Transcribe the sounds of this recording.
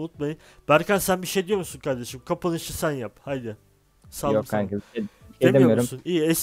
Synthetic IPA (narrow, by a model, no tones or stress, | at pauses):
ut̪majɯnb̥æɾcʰænsænbiʃejd̪ijo̞ɾmusunkʰaɾd̪e̞ʃimkʰapɯnˠɯʃɯsænjaphajd̪ɪ | saljoæɾezeeemd̪eimoijomɾumsuniːɛs